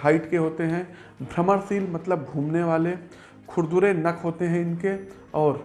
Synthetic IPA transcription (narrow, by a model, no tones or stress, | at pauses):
ɦaːɪʈkeɦoːt̪eɦɛ̃ | bʱɾɐməɾsiːlmɐt̪ləbːʱũːmneʋaːle | kʰʊɾd̪uːɾenɐkʰɦoːt̪eɦɛ̃ɪnke | ɔːɾ